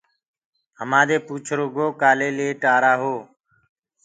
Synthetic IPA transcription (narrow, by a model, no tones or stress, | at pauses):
ɦəmãːd̪eːpuːt͡ʃʰɾoːɡoːkaːleːleːʈaːɾaːɦoː